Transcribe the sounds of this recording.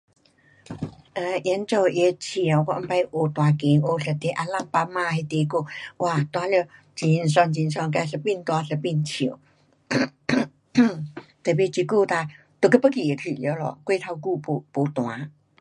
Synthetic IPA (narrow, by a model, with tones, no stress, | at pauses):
ʔə˧˩ʔjɛ˧˦nt͡so˧˩ʔe˧t͡ɕʰi˨˧˩a˨˩ka̰˧˥˦npa˧jʔo˨˧˩t̪wa˧ki˨˦ŋʔo˧ɬə˨˩t̪e˧˦ʔa˧la˥˧˨ŋpa˧mã˥˧˨he˧t̪e˧ko˧˩wa˧˩t̪wa˧ljo˧˩ | t͡ɕi˧nswa˧ŋt͡ɕi˧ns̬ɔ˧ŋka˧ɬə˧pi˥˧nt̪wa˧ɬə˧˩pi˧nt͡ɕʰi˨˩˦ | t̪ə˨˩˨pe˧t͡ɕi˧ku˥˧t̪a˧ | t̪o˨˧˩kə˧˥pə˧˥ki˨je˨˩kʰi˨˩˨ljo˧˦lɔ̰˨kwe˥˧˨t̪ʰa˧ku˥˧pu˧˩po˨˦t̪w̃a˨˦